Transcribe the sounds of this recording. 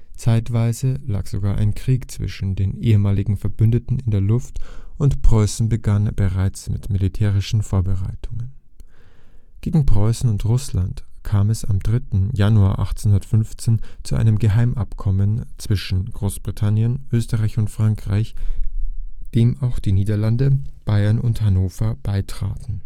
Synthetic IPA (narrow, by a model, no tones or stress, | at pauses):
t͡saɪtv̥aɪzəla̰ːkz̥oɡaːɐʔa̰ɪnkʁ̥iːkt͡sv̥ɪ̰ʃn̩deːnʔeːəmaːlɪɡŋ̩fɛɐbʏndətn̩ɪndeːɐlʊftʔʊntpʁ̥ɔʏsn̩bəɡanb̥əʁaɪt͡smɪ̰tmilitʰɛːʁ̞ɪʃn̩foːɐbəʁa̰ɪtʰʊŋən | ɡ̥eːɡŋ̩pʁ̥ɔʏsn̩ʊntʁʊslantkʰaːmɛsamdʁɪtn̩januaːɐʔa̰χt͡senhʊndɐtfʏnft͡seːnt͡suʔa̰ɪnəmɡəɦaɪmʔapkʰɔmənt͡sv̥ɪʃn̩ɡ̥ʁoːsb̥ʁitʰanjənʔøːstəʁaɪçʊntfʁ̥aŋkʁ̥a̰ɪç | d̥eːmaʊxd̥iːniːdɐlandəb̥aɪɐnʔʊ̰nthanoːfɐb̥aɪtʁ̥a̰ːtn̩